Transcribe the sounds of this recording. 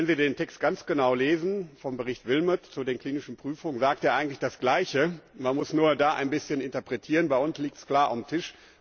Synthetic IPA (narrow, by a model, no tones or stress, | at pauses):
ɛnziːdeːntʰɛkstɡ̥ant͡sɡ̥ənaʊleːzn̩fɔmbəʁɪçtv̥ɪlmətt͡sudeːnkl̥iːnɪʃn̩pʁ̥yːfʊŋənzaːkteːɐʔaɪɡŋ̩tlɪçd̥asɡ̥laɪçəmanmʊsnuːɐdaːʔa̰ɪnbɪsçənɪntɐpʁ̥ɛtʰiːʁ̞ənbaɪʔʊnsliːk̚tskl̥aːɐʔa̰mtʰɪʃ